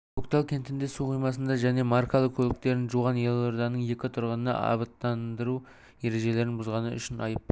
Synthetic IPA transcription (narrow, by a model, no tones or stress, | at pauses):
okt̪ɑlˠkʲʰe̞nt̪ɪnd̪esuqʰijmɑs̬ənd̪ɑʒæne̞mɑrkolˠəqkʲʰɵlɪk̚t̪e̞ɾɪnʒuʁɑnje̞lˠoɾd̪ɑnəɴje̞kʲɪt̪ʰʊɾʁənənɑ̰ʔɑ̰βət̪ːɑnd̪əɾu | e̞ɾe̞ʒe̞le̞ɾɪnbʊzʁɑnəʏ̰ʃɪnɑ̰jəp